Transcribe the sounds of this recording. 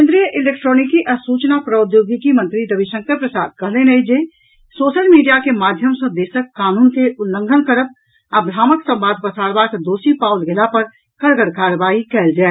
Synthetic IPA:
kẽnd̪ɾijəʔɪleːk̚ʈɾoːnɪkiʔɐsuːt͡ʃnapɾəʊd̪joːɡikimə̃nt̪ɾiɾəbiʃə̃ŋkʰəɾpɾəsaːd̪̚kɐɦlenəɦid͡ʒe | soːʃəlmiːɖijakemaːd̪ʱjəmsəd̪eːsəkːaːnuːnkeʔʊlːə̃ŋɡʱənkəɾəp̚ | əbɾaːməksə̃mbaːd̪̚ʱpəsaːɾbaːkd̪oːsipaːwlɡɪlapəɾ | kəɾɡəɽkaːɾʋaːikɛld͡ʒaː

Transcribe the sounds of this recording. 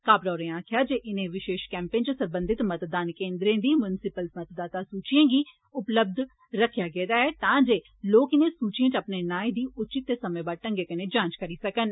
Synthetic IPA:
kaːbɾaːɾẽãːkʰɪjaːd͡ʒeːʔɪnẽːʋɪʃeːʃkɛ̃ːmpẽːnt͡ʃəsəmbə̃nd̪ɪt̪mət̪d̪aːnkeːnd̪ɾẽːd̪iːmʊnɪsɪpəlsmət̪d̪aːt̪aːsuːt͡ʃijãːɡiː | ʊpləb̚d̪ | ɾəkʰjaːɡɛːd̪aːɦɛːt̪ãːd͡ʒeː | loːkɪnẽːsuːt͡ʃijẽːt͡ʃəpneːnaːĩd̪iːʊt͡ʃɪt̪ːeːsəmẽːbaːɾʈə̃ŋɡeːkəneːd͡ʒãːt͡ʃkəɾiːsəkən

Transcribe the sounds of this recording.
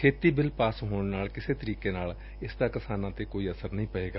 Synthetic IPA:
kʰeːt̪iːbɪlpaːsɦoːɳnaːlkɪseːt̪əɾiːkeːnaːl | ɪsd̪aːkɪsaːnãːt̪eːkoːiːəsəɾnəɦĩːpəeːɡaː

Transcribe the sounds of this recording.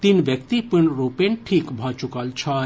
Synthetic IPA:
t̪inʋjɐk̚t̪ipɨɳɾopenʈʰiːkbʱat͡ʃukalt͡ʃʰɐ

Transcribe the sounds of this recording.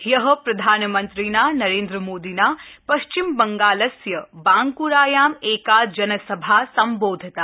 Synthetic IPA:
jɐɦɐ̆pɾɐd̪ʱaːnmɐnt̪ɾiːnaːnɐɾeːnd̪ɾəmoːd̪iːnaːpɐʃt͡ʃimbɐŋɡaːlɐsjɐbãːŋkuɾaːjaːmeːkad͡ʒɐnɐsɐbʱasɐmboːd̪ʱɐt̪aː

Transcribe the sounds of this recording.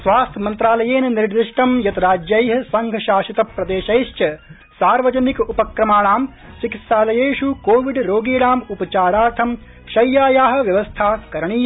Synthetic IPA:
sʋaːst̪ʰɐmɐnt̪ɾaːlɐjeːnɐniɾɾd̪iʂʈɐmjɐt̪ɐɾaːd͡ʒjɐjɦɐsɐŋɡʱɐʃaːʃit̪ɐpɾɐd̪eːʃɐjʃt͡ʃɐ | saːɾʋɐd͡ʒɐnikupɐkɾɐmaːɳaːm | sikit̪saːlɐjeːʃukoːʋiɖɾoːɡiːɽaːmupɐt͡ʃaːɾaːɾt̪ʰɐm | ʃɐjːaːjaːɦɐ̆ʋjɐʋɐst̪ʰaːkɐɾɐɳiː

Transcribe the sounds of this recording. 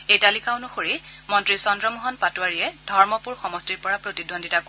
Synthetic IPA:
ejtalikaʊnʊxoɹimɔntɹisɔndɹɔmɔɦɔnpatuwaɹiɛdʱɔɹmɔpuɹxɔmɔstiɹpɔɹapɹotidondʱitak

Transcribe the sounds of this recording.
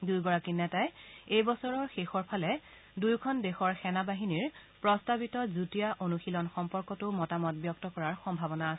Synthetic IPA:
dujɡɔɹakinɛtajejbɔsɔɹɔɹxexɔɹpʰalɛ | dujkʰɔndexɔɹxɛnabaɦiniɹpɹɔstabitɔzutijaʔonuxilɔnxɔmpɔɹkɔtʊmɔtamɔt̚bjɔk̚tɔkɔɹaɹxɔmbʱabɔnaːs

